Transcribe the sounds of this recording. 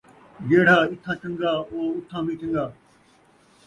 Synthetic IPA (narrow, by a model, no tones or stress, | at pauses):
jeːɽ̤aːɪt̪ʰãːt͡ʃə̃ŋɡaːoːʊt̪ʰãːmĩːʈə̃ŋɡaː